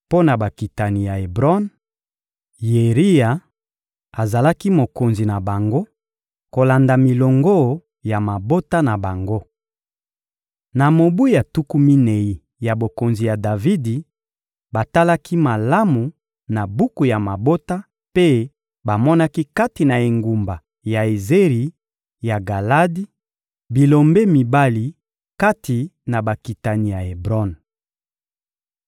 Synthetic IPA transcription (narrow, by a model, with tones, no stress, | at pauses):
po˦na˨ba˨ki˨ta˨ni˨ja˨e˨bʁɔ˦n | je˨ʁi˦ja˨ | a˨za˨la˦ki˦mo˨ko˨nzi˨na˨ba˨ŋɡo˦ | ko˨la˨nda˨mi˨lo˨ŋɡo˦˨ | ja˨ma˨bo˦ta˦na˨ba˨ŋɡo˦ | na˨mo˨bu˦ja˨tu˦ku˦mi˦ne˨i˨ | ja˨bo˨ko˨nzi˨ja˨da˨vi˦di˨ | ba˨ta˦la˦kʰi˦ma˨la˦mu˨ | na˨bu˦ku˨ja˨ma˨bo˦ta˦ | pe˦ | ba˨mɔ˦na˦ki˦ka˦ti˨na˨e˨ŋɡu˨mba˨ | ja˨e˨ze˦ʁi˨ | ja˨ɡa˨la˦di˦ | bi˨lo˨mbe˦mi˨ba˦li˨ | ka˦ti˨na˨ba˨ki˨ta˨ni˨ja˨e˨bʁɔ˦n